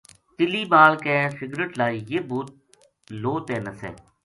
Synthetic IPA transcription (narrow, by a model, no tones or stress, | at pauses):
t̪ɪliːbaːlkɛːsɪɡɾəʈlaːijeːbuːt̪̚ | loːt̪ɛːnəsɛ̰ː